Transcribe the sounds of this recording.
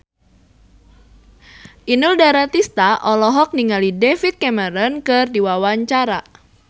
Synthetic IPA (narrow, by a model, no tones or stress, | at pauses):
ʔinʊldaɾat̪ist̪aʔɔlɔɦɔk̚niŋalidefit̪̚kɛməɾɔnkɨrdiwawaɲt͡ʃaɾa